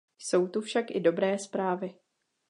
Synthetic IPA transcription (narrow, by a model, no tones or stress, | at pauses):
so̞wt̪ufʃakʔɪdo̞bɾɛːspɾaːvɪ